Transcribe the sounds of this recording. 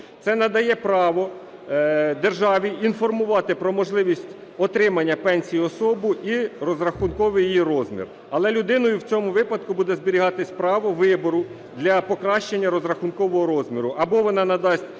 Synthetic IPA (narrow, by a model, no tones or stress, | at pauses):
t̪sɛnɐd̪ɐjɛpɾɑʋɔ | d̪erʒɑʋʲiinfɔrmʊʋɑt̪ɪpɾɔmɔʒlˠɪʋʲisʲtʲ | ɔt̪ɾɪmɐnʲːɐpɛnʲsʲijiɔsɔbʊʔiɾɔzɾɐxʊnkɔʋɪjijiɾɔzmʲḭr | ɐlˠɛlʲʊd̪ɪnɔjʊwt͡sʲɔmʊʋɪpɐd̪̚kʊbud̪ɛzbɪɾʲiɦɑt̪ɪsʲpɾɑʋɔʋɪbɔɾʊ | d̪lʲɐpɔkɾɑʃt͡ʃenʲːɐɾɔzɾɐxʊnkɔʋɔɦɔɾɔzʲmʲiɾʊʔɐbɔʋɔnɑnɐd̪ɑsʲt̚ʲ